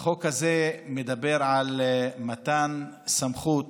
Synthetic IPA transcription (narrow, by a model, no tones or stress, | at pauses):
χo̞khazemed̪abe̞ɾʕalmat̪an | samχut